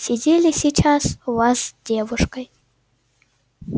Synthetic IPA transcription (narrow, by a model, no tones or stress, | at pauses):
sʲidʲelʲisʲit͡ʃʰasuvasdʲevuʂkɐj